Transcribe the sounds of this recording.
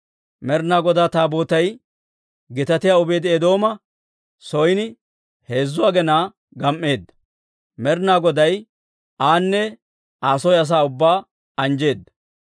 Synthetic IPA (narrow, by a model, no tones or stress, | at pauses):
mɛɾnaːɡɔd̪aːt̪aːbo̞ːt̪ɐj | ɡɪt̪ɐt̪ɪjaːʊbe̞ːd̪ɪɛd̪o̞ːmɐ | sɔjnɪ | he̞ːzːʊaːɡɛnaː | ɡɐmːe̞ːd̪ːɐ̥ | mɛɾnaːɡɔd̪ɐj | aːnːɛ | aːsɔjɐs̬aːʊbːaː | ɐnd͡ʒe̞ːd̪ːɐ